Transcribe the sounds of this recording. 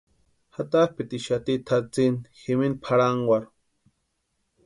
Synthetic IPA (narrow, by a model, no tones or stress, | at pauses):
hat̪ahpit̪iʃat̪it̪ʰat͡sinximinpʰaɾaŋɡwʷaɾ